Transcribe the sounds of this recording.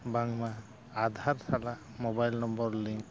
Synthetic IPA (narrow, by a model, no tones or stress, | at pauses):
baŋmaː | d̪ʱaɾsala | mɔbajlnɔmbɔɹliŋk